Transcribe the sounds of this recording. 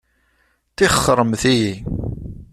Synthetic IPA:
θiχəχːəɾˤəmθiji

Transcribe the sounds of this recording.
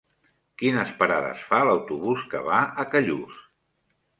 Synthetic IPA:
kinəspəɾaðə̰sfaləwt̪uβuskə̰βaəkəʎus

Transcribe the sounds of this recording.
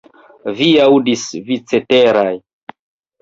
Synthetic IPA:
viawdisvit͡seteɾaj

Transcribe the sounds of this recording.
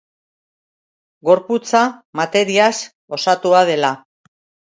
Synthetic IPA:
ɡo̞ɾput͡samat̪e̞ɾias | o̞sat̪uað̞e̞la

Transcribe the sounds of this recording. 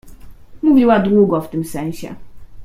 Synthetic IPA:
muvʲiwad̪wuɡɔft̪ɘmsɛ̃w̃ɕɛ̰

